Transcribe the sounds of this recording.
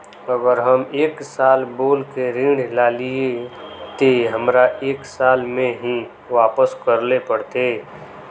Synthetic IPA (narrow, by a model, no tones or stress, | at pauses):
əɡəɾɦəmeːksaːlboːlkeɾĩːɽlaːliet̪eɦəmɾaʔeːksaːlmẽɦĩ | ʋaːpəskəɾlepəɽt̪e